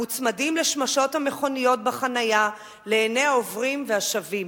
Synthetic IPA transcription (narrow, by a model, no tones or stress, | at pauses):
ut͡smadimleʃmaʃo̞thameχo̞nijo̞t̚baχanaja | leːneaovʁimveaʃavim